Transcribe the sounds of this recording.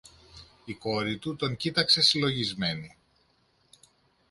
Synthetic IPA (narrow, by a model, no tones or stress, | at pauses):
iko̞ɾit̪ut̪o̞ɲcit̪ɐkse̞silo̞ʝizme̞ni